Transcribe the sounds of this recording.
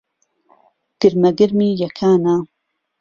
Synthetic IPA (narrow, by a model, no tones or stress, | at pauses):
ɡ̥ɨɾmɐɡɨɾmiːjɐkʰaːna